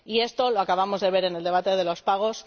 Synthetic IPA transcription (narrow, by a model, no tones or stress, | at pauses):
ie̞st̪o̞loakaβ̞amo̞zðe̞β̞e̞ɾe̞neld̪e̞β̞at̪e̞ð̞e̞lo̞spaɣ̞o̞s